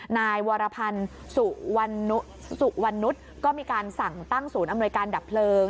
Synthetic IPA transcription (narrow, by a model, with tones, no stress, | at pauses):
naː˧jwaː˧ɾa˧pʰa˧n | su˨˩wa˧nːu˦˥ | su˨˩ʔwa˧nːu˦˥t̪̚ | kɔː˥˩miː˧kaː˧nsa˨˩ŋt̪a˥˩ŋsuː˩˦nʔa˧mnu˧əjkaː˧ndaː˨˩pʰlɤː˧